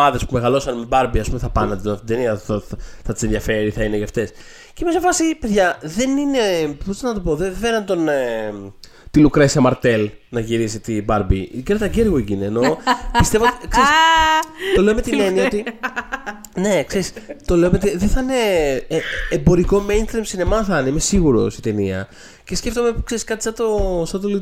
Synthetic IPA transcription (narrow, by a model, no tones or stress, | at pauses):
ɐðe̞spume̞ɣɐlo̞sɐnmebɐɾbiɐspumeθɐpɐnɐt̪et̪ot̪ðeniɐoθɐt̪i̥seðʝɐfe̞ɾiθɐineʝɐft̪e̞s | cemesɐfɐsipeðʝɐðe̞nine̞post̪ɐnɐt̪o̞po̞ðefenɐnt̪o̞ne | t̪ilukɾesiɐmɐɾt̪e̞lnɐʝiɾisit̪ibɐɾbiɡeɾɐt̪ɐɟeɾɣoicineːno̞pist̪e̞vot̪ikseɾis | t̪o̞le̞ome̞t̪ine̞niɐot̪i | ne̞kse̞ɾist̪o̞le̞omet̪iðeθɐne̞ | mbo̞ɾiko̞mejnst̪ɾimsinemɐθɐneimesiɣuɾo̞̰sit̪e̞niɐ̰ | ce̞sce̞ft̪omepukse̞ɾiskɐt̪i̥sɐt̪o̞sɐt̪oli